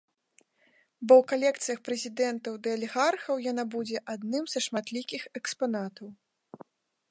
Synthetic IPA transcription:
bɔwkalʲɛkt̪sɨjɐxpɾɛzʲid̪ɛnt̪ɐwd̪ɐɐlʲɛɣarxɐwjanabud͡zʲɛʔad̪nɨmzɐʂmat̪lʲikʲixɛkspanat̪ɐw

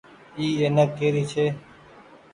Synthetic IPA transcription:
iːeːnəkeːɾiːt͡ʃʰeː

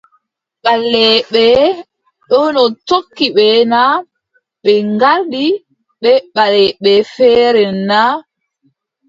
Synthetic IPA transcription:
ɓalːɛɓɛ | ɗɔnɔtokːiɓɛna | ɓɛŋɡaldi | ɓɛɓalɛɓɛfɛːɾɛna

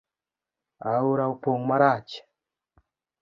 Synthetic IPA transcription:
auɾaupoŋmaɾaːt͡ʃḁ

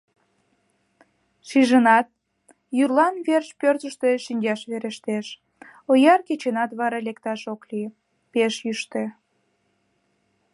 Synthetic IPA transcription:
ʃiʒənɑt̪̚ | jyrlɑnβerʃpørzəʃt̪eʃynʲd͡ʒɑʃβeɾəʃt̪eʃ | ojɑrket͡ɕenɑt̪βɑɾɑlekt̪ɑʃokli | peʃjyʃt̪e

